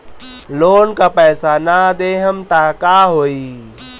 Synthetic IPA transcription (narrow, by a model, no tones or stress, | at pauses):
loːnkapɛːsanad̪eːɦəmt̪aːkaːɦoːi